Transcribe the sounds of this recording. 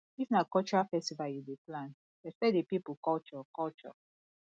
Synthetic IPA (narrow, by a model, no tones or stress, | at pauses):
ifnakɔlt͡ʃɔɹafɛstivajudeplãn̥ | ɛstɛdepipukɔlt͡ʃɔkɔlt͡ʃɔ̰